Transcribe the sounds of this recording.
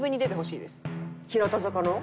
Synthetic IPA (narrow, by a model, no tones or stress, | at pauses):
bɯ̟ɲ̟ːid̪e̞t̪e̞ɦo̞ɕḭːd̪esɨ̥kʲiɾot̪ozokono